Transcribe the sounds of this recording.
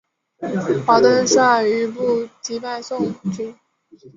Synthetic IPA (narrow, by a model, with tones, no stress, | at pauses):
xa˧˥t̪ə˥˧nsa˥˩y˧˥pu˥˩t͡ɕi˧˥pa˥˧ɪsʊ˥˩ŋt͡ɕy˥˦